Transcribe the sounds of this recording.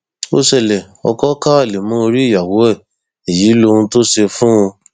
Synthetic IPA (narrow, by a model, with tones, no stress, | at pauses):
o˧ʃɛ˦˨lɛ˨ | ɔ̰˧kɔ˦ka˦a˦˨le˨mũ˦o˧ɾi˦i˦˨ja˨wo˨˦ɛ˦˨ | e˨ji˨˦lo˧ũ˧to˦ʃe˧fũ˦ũ˧